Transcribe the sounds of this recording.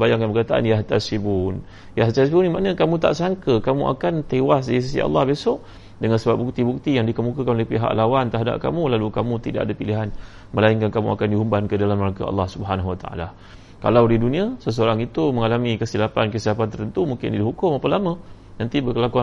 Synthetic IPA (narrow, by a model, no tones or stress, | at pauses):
bajaŋkanbəkat̪aʔa̰njaɦat̪asibun | jaht̪asibunimanə̃kamũt̪a̰ʔsaŋkəkamṵʔa̰kant̪ewasdis̬isḭɑ̰lːɑhbesɔʔ | dəŋansəbap̚buk̚t̪ibuk̚t̪ijaŋdikəmukakanlaipiɦa̰ʔlawant̪əɦada̰p̚ka̰mulalukamũt̪ida̰ʔadəpiliɦan | məlaiŋkankamṵʔa̰kandiɦumbankədalamːəɾaka̰ɑ̰lːɑhsubəɦanaɦuwat̪aa̰la | ka̰lawdidunĩasəs̬əoɾaŋit̪uməŋalamĩkəsilapankəsilapant̪ərɾt̪ənt̪umuŋkɪ̰ndiɦukʊmapəlamə̃ | nant̪ibərkəlakua